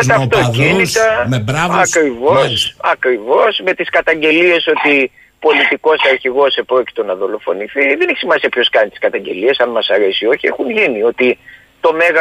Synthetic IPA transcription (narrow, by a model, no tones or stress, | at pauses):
et̪ɐft̪ocinit̪ɐɐkɾivo̞sɐkɾivo̞sme̞t̪iskɐt̪ɐɲɟe̞lie̞so̞t̪i | po̞lit̪iko̞sɐɾçiɣo̞sepɾo̞ci̥t̪o̞nɐðo̞lo̞fo̞̰niθiðeneçi̥simɐsiɐpço̞skɐnit̪i̥skɐt̪ɐɲɟe̞̰lie̞sɐnmɐsɐɾe̞sio̞çie̞xunʝiniot̪i | t̪o̞me̞ɣɐ